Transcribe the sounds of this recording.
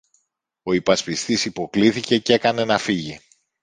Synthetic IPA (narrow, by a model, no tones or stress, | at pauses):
o̞ipɐspist̪isipo̞kliθice̞ce̞kɐne̞nɐfiʝi